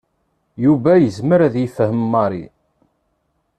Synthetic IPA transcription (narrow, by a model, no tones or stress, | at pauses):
juvæjəzməɾæðjifəhəmmːɑɾˤḭ